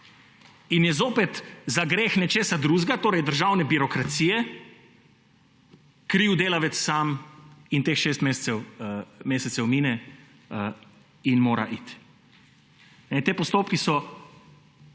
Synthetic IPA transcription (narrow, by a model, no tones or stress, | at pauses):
injɛzoːpɛt̪zaɡɾeːxnɛt͡ʃeːsad̪ɾuːzɡat̪oːɾɛjd̪əɾʒaːwnɛbiɾɔkɾat̪siːjɛ | kɾiːwd̪eːlaʋɛt̪ssamint̪eːxʃeːst̪meːsɛwmeːsɛt̪sɛwmiːnɛ | ə | inmoːɾa̰ʔit̪ | nɛt̪eːpɔst̪oːpkisɔ